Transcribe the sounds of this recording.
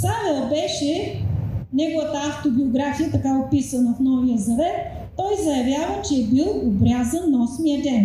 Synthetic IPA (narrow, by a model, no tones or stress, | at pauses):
savɛlˠbɛʃɛ | nɛɡovət̪əaft̪obioɡɾafijət̪ɐkaopisɐnəfnɔvijəzɐvɛt̪ː | ɔjzɐjɐvjavət͡ʃɛːbilˠobɾʲazənːɐɔsmiəd̪ɛn